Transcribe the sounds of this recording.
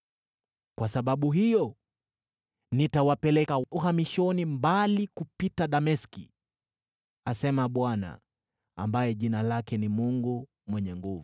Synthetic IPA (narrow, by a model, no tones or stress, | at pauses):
kwasaɓaɓuɦijɔ | nitawapɛlɛkauɦamiʃɔnimbalikupitaɗamɛskḭ | asɛmaɓwana̰ | a̰mbajɛʄinalakɛnimuŋɡu | mwɛɲɛŋɡuvu